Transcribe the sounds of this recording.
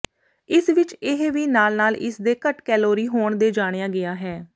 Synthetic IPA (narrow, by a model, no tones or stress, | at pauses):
ɪsʋɪt͡ʃɪɦʋiːnaːlnaːlɪ̰sd̪eːkəʈkɛːloːɾiːɦoːɳd̪eːd͡ʒaːɽ̃ejaːɡɪaːɦɛː